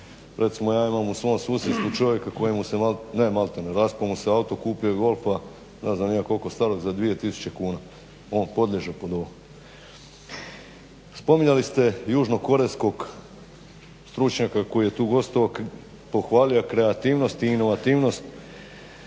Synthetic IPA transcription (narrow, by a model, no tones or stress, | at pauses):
ɾʔe̞t̪simo̞jaːimamusʋo̞ːmsuːsɾest̪ʋut͡ʃo̞ʋje̞kako̞jemusemalnemalˠt̪eneɾaspomuseaut̪o̞kuːpijoɡo̞lˠfa | neznamjaːko̞lko̞st̪aɾo̞ɡzad̪ʋije̞t̪isu̥t͡ɕe̞kuːna | o̞ːnpo̞d̪lʲeʒe̞po̞d̪o̞ʋo | spo̞miɲalist̪e̞juːʒno̞ko̞ɾesko̞ɡ | st̪ɾut͡ʃɲakako̞jije̞t̪uːɡo̞st̪oʋok | po̞xʋaːlijakɾe̞at̪iːʋno̞st̪iːno̞ʋat̪iːʋno̞st̪